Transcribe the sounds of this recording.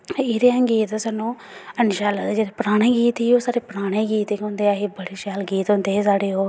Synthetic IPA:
iːɾejãːɡiːt̪aːsaːnːũː | ənʃaːlad͡ʒeːdeːpɾaːɽ̃eːɡiːt̪iːoːsaːɾeːpɾaːɽ̃ẽːɡiːt̪eːkõːnd̪eːaːɦiːbəɽiːʃaːlɡiːt̪ɦõːnd̪eːs̬aːɽeːoː

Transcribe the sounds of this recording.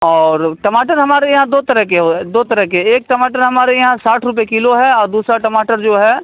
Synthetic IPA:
ɔːɾʈɐmaːʈəɾɦɐmaːɾejɐɦãd̪oːt̪ɐɾəɦkeɦod̪oːt̪ɐɾəɦkeeːk̚ʈɐmaːʈəɾɦɐmaːɾejɐɦãsaːʈʰɾʊp̬ekɪloɦɛɔːɾd̪uːsɾaʈɐmaːʈəɾd͡ʒoːɦɛː

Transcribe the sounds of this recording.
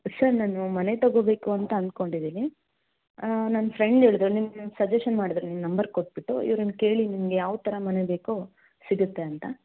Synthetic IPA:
sɐɾnaːnumɐne̞t̪ɐɡobe̞ːkuɐnt̪ɐːnd̪̚ko̞ɳɖid̪iːni | naːnfɾeɳɖeːɭid̪ɾunimsɐd͡ʒeʂɐnmaːɽid̪ɾunimnɐmbɐɾkoʈ̚biʈːuḭʋɐɾɐnke̞ːɭinimɡejaːʋt̪ɐɾɐmɐne̞be̞ːko | siɡut̪ːe̞ɐnt̪ɐ

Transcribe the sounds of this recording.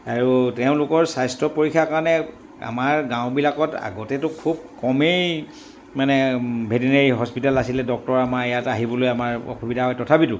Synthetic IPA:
aɹuteʊ̃lʊkɔɹsajstɹɔpoɹikʰːjakaɹnɛ | a̰maɹɡãʊ̃bilakɔta̰ɡɔtɛtʊkʰub̚kɔmej | manɛbʱedineɹiɦɔspitalasilɛdɔk̚tɔɹamaɹɛjataɦibɔlojamaɹɔ̰xubidʱaɦɔjtɔtʰabitʊ

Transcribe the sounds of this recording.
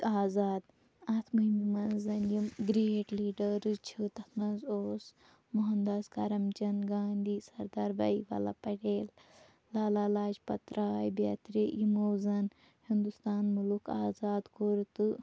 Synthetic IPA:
aːzaːd̪ | ɐt̪ʰmɐind̪mɐnzɐnjimɡɾeːʈliːɖəɾɨt͡ʃʰit̪ɐknɐnzoːs | muɦɐnd̪ɐskaɾɐmd͡ʒɐnɡaːnd̪ʱiːsɐɾd̪aːɾbɐ̰iʋa̰la̰pɐʈeːlː | aːlaːlaːd͡ʒpɐt̪ɾaːjbja̰ːt̪ɾijimoːzɐn | hind̪ust̪aːnmulukaːzaːd̪koɾt̪ɨ

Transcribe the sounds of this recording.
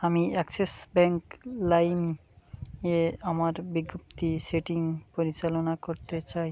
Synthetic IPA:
amiɛksesbɛŋklajm | eamaɾbiɡːop̚t̪iseʈiŋpoɾit͡ɕalonakoɾt̪et͡ɕaj

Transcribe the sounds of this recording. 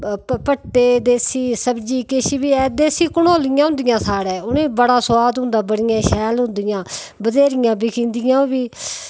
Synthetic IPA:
pəʈːeːd̪eːsiːsəbd͡ʒiːkɪʃiːbiːɛːd̪eːsiːkʊnoːlɪjãːɦʊ̃nd̪ɪjãːsaːɽɛ̃ːʊnẽːbəɽaːsʊaːd̪ɦʊ̃nd̪aːbəɽɪjãːʃɛːlɦʊ̃nd̪ɪjãː | bəzeːɾɪjãːbikʰĩːnd̪ɪjãːbiː

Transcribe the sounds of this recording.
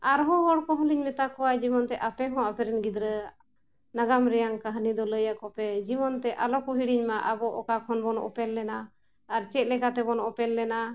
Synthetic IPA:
aɾɦɔ̃ɦɔɽkɔɦɔ̃liɲmɛt̪akɔwad͡ʒimɔnt̪ɛʔapɛɦɔ̃apɛɾɛnɡid̪ɾə | naɡamɾɛjaŋkaɦnid̪ɔləjaʔkɔpɛd͡ʒimɔnt̪ɛʔalɔkuɦiɽiɲmaʔabɔʔɔkakʰɔnbɔnɔ̰ʔɔ̰pɛlːɛnaː | ɾt͡ʃɛt̪̚ˀlɛkat̪ɛbɔnɔʔɔpɛlːɛna

